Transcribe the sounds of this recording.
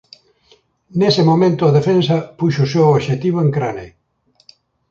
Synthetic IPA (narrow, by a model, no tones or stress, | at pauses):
nesemomẽnt̪ʊaðefensɐpuʃʊsewoβʃet̪iβ̞oeŋkɾane